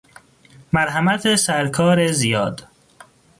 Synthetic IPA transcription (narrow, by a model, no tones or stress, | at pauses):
mæɾɦæmæt̪ʰesæɾkʰɒːɾezijɒːd̪